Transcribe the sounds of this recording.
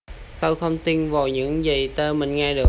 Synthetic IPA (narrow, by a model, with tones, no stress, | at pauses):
t̪o˧jxə˧wŋ͡mt̪i˧nva˨˩wɲɨ̰˧˥ŋzi˨˩t̪əː˧mï˨˩ŋ̟ŋɛː˧ɗɨ˨˩ə